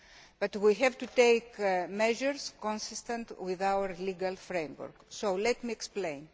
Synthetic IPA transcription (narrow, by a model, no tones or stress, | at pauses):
b̥ɐt̪wiɦɛvt̪ut̪ejkmeʒeɾskõnsist̪ẽnt̪wiðawɐɾliɡalfɾẽjmwo̰ɾksowlet̪mieksplẽjn